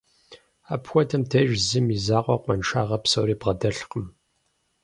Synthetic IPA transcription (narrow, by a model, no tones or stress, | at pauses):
aːpxʷɔtʰɐmtʰeːʒzɨmizaːqʷɔ̰qʷʼɔnʂʰaːʁɐpsɐwɾiːbʁɐdɐɬqəm